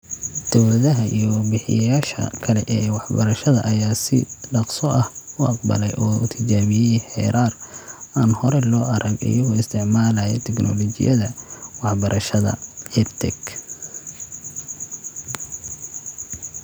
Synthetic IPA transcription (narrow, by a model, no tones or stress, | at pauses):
d̪̥ɔwlɐðɐɦɐʔḭjɔwɑrbɪħɪ̰jɐjaːʃɐ̰kʰɐlɛʔɛːwɑħbɐɾɐʃɐðɐʔɐjaːsɪ̰ɖɑqsɔʔɐhʊʔɑq̚bɐ̰lɛjʔɔːʊt̪ʰɪt͡ʃaːβɪjɛjħɛ̰ːɾaːrʔaːnhɔɾɛlɔːʔɐɾʔɐɡɪ̰jɐɣɔːɪst̪ʰɪʕmaːlajɛt̪ʰɛknʔɔ̰lɔt͡ʃɪ̰jɐðɐwɑħbɐɾʔɐʃɐðɐ̰hɛt̪ʰɛɡ